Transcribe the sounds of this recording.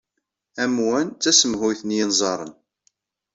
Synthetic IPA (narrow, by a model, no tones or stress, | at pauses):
æmwænt͡sːæsəmɦʊjθənjinzˤɑɾˤə̰n